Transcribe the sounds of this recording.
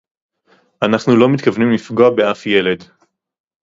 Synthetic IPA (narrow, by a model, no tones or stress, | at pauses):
ʔanaχnulo̞mit̪kavnimlifɡoabeafje̞le̞d